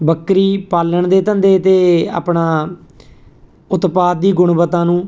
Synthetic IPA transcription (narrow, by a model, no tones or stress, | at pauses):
bəkɾiːpaːləɳd̪eːt̪ənd̪eːt̪eːa̰ːpɳãː | ʊt̪paːt̪̚d̪iːɡʊɳbət̪ãːnũː